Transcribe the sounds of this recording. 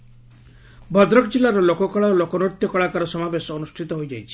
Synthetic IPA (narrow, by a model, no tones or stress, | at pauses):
bʱɔd̪ɾɔkd͡ʒilːaɾɔlokɔkɔɭalokɔnot̪jɔkɔɭakaɾɔsɔmabesɔɔnusʈʰit̪ɔɦojd͡ʒa̰jt͡ʃʰi̥